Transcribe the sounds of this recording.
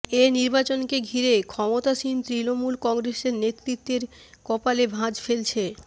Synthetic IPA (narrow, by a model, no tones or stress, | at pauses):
eniɾbat͡ɕonkeɡʱiɾekʰɔmot̪aʃint̪ɾinomulkɔŋɡɾeseɾnet̪ːɾit̪ːeɾ | kɔpalebʱãd͡ʑfelt͡ɕʰe